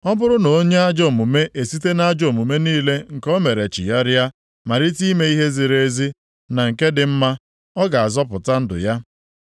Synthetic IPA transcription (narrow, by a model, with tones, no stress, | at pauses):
ɔ˦bʊ˦ɾʊ˦no˨o˦ɲe˦a˦d͡ʒɔ˨mu˨me˦ʔe˨si˦te˦na˦d͡ʒo˨mu˨me˦niː˦le˦ŋ̩˨kɔ˦me˨ɾe˨t͡ʃḭ˨ja˦ɾja˦ | ma˨ɾɪ˦ti˦me˦i˦ɦe˦zi˨ɾe˦zi˦ | na˨ŋ̩˨ke˦dɪ˨m̩˦ma˦ | ɔ˦ɡa˨a˨zɔ˦pʊ˨ta˦n̩˦dʊ̰˨ja˦